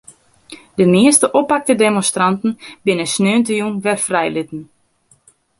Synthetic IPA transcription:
dəmɪəstəʔopak̚tədemɔnstrantn̩bɪnəsnøːntəjunʋɛrfrɛjlɪtn̩

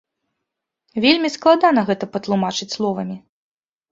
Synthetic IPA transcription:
vʲelʲmʲisklˠad̪anɐɣɛt̪ɐpɐt̪lˠumat͡ʂɨt͡sʲslˠɔvɐmʲi

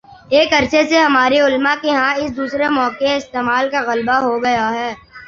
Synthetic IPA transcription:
eːkɐɾʃʰeseɦɐmaːɾeʊlmakeɦãɪsd̪uːsɾemɔːkeɪst̪eːmaːlkaɣɐlbaɦoɡɐjaɦɛː

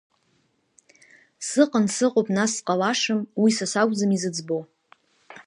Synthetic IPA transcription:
sɨqʼənsɨqʼopʼnasqʼalaʂɨmwisasaɡʷd͡zɨmizɨd͡zbo

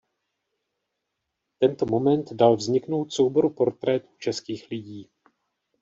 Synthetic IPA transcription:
t̪ɛnt̪o̞mo̞mɛnt̪dalvzɲɪkno̞wt̪so̞wbo̞ɾupo̞ɾt̪ɾɛt̪u̥t͡ʃɛskiːxlɪɟiː

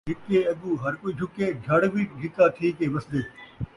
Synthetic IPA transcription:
ɦɪkːeɐɡuɦɐɾkoiːd͡ʒʱʊked͡ʒʱɐɽbʱiɡʱit̪at̪ʰiːkeːʋɐsd̪eː

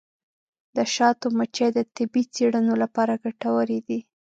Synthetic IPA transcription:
d̪̥əʃɑt̪omat͡ʃed̪ət̪ɪbit͡seɽənolapɑɾaɡaʈawəɾid̪i

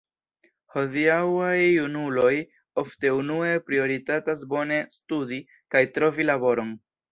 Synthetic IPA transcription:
ho̞diawajunulo̞j | o̞fte̞unue̞pɾio̞ɾitatas̬bo̞ne̞studi | kajtɾo̞vilabo̞ɾo̞n

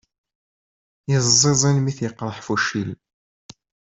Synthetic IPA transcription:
jəzˤːezˤinmiθjəqːɾˤəħfuʃil

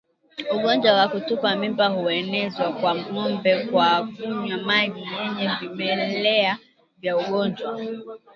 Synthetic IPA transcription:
uɠɔnd͡ʒwawakutupamimbahuɛnɛzwakwam̩ŋɔmbɛkwavuɲamaɡijɛɲɛvimɛlɛa | vjauɠɔɲd͡ʒwa

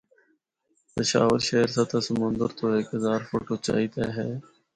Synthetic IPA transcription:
t̪əʃa̰ːʋəɾʃeːɾsat̪ʰaːsəmʊ̃nd̪əɾt̪oːeːkəzaːɾfʊʈoːt͡ʃa̰ːit̪ɛːɦɛː

